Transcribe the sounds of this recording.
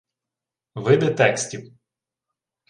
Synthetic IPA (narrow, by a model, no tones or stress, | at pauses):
ʋɪb̪ɛt̪ɛksʲtʲiw